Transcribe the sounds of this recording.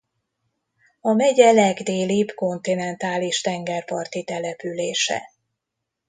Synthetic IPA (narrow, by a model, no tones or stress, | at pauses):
ɒmɛɟɛlɛɡd̪eːlibko̞nt̪inɛnt̪aːliʃt̪ɛŋɡɛrpɒrt̪it̪ɛlɛpyleːʃɛ̰